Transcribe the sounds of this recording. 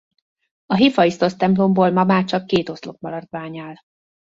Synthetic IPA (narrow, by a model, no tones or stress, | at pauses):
ɒɦifɒist̪o̞st̪ɛmplo̞mboːlmɒmaːrt͡ʃɒkːeːt̪o̞slo̞k̚mɒlɒrd̪ʋaːɲaːl